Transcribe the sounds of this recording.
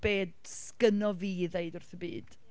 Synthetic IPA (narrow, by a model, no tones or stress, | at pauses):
b̥eːd | skənɔviːðeɨdʊrθəbḭːd̥